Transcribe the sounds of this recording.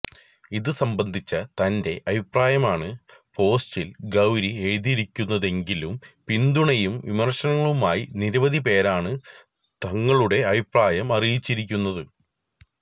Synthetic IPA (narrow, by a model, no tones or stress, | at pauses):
iðɨsɐmbɐnd̪ʱit͡ɕːɐt̪ɐnde̞ʔɐbʱipraːjɐmaːɳɨpo̞ːstilɡɐwɾieɻðiɾikʲːunːɐðe̞ŋɡilumpind̪uɳɐjumʋimɐrʂɐnɐŋːɐɭumaːjiniɾɐʋɐðipe̞ːɾaːɳɨ | t̪ɐŋːɐɭuɽe̞ɐbʱipraːjɐmɐrijit͡ɕːiɾikʲːunːɐðɨ